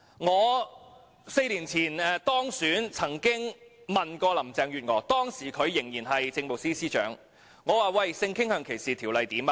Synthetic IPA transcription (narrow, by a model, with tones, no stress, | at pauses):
ŋɔː˨˧ | se˧jliː˨˩nt͡sʰiː˨˩nɛ˨t̪ɔː˥ŋsyː˨˥nt͡sʰɐ˨˩ŋkɪ˥ŋmɐ˨˩nkɔː˧lɐ˨˩mt͡sɛː˨ŋɥyː˨t̚ŋɔː˨˥t̪ɔː˥ŋsiː˨˩kʰɵ˨˧ɥːɪ˨˩ŋjiː˨˩nɦɐ˨jt͡sɪ˧ŋmo˨wsiː˥siː˥t͡ʃœ̰ː˨˥ŋ | ŋɔː˨˧waː˨wɐ˥˩jsɪ˧ŋkʰɪ˥ŋhœː˧ŋkʰe˨˩jsiː˨t̪ʰiː˨˩wlɐ˨jt̪iː˨˥ma˧